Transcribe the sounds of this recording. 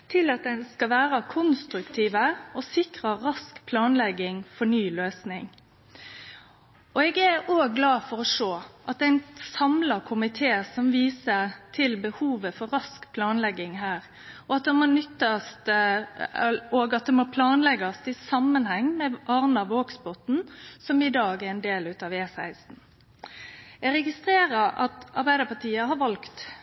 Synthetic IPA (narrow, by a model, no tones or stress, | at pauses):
skɑʋæːɾɑkʰʊnst̪ɾʉkt̪ʰiːʋəɔsɪkʁəɾɑskpʰlɑːnlɛɡːɪŋfɔɳyːløːsnɪŋ | ɔɛɡæoːɡːlɑːfɔɾɔʂoːʔɑt̪̚d̪æɪnsɑmlɑkʰʊmɪt̪ʰeːsɔmʋiːsəɾt̪ʰɪlbəhuːʋəfɔɾɾɑskpʰlɑːnlɛɡːɪŋɦæːɾ | ɔɑt̪̚d̪ɛmoːnʏt̪ːɑst̪ | oːɡɑt̪̚d̪ɛmoːpʰlɑːnlɛɡɑst̪ɪsɑmːənhɛŋːmɛʔɑɾnɑʋoːɡsbɔt̪n̩sɔmɪd̪ɑːɡæɾɛɪnd̪eːlʉt̪ɑːʋeːsæɪst̪n̩ | ɛɡɾɛɡɪst̪ɾeːɾəɾɑ̰t̪ɑ̰ɾbæɪd̪əpɑt̪ʰiːəhɑɾʋɑlkt̪